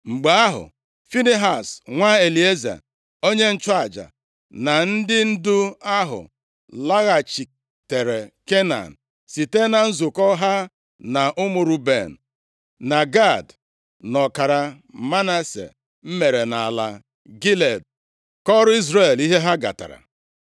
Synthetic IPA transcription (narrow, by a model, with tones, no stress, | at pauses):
ŋ͡m̩˨ɡ͡be˨a˦ɦʊ̰˨ | fi˦ni˦ɦa˨sŋʷa˦e˨li˨e˦za̰˨ | o˦ɲe˦n̩˦t͡ʃa˦˨d͡ʒa̰˨ | na˨n̩˦dɪ˦n̩˦dʊ˦a˦ɦʊ̰˨ | la˦ɣa˨t͡ʃi˨ | te˨ɾe˨ke˦na̰˨n̩˨ | si˨te˦na˨n̩˦zʊ˨kɔ˦ɦa˦ | na˨ʔʊ˦mʊ˨ɾu˦be˨n̩˨ | na˨ɡa˦˨d | nɔ˨ka˨ɾa˨ | ma˦na˦sḛ˨ | m̩˦me˨ɾe˨na˨a˨la̰˨ | ɡi˦le˨d̚ | kɔ˦ɾʊ˦i˦zɾe˨li˦ɦe˦ɦa˦ɡa̰˨ta̰˨ɾa̰˨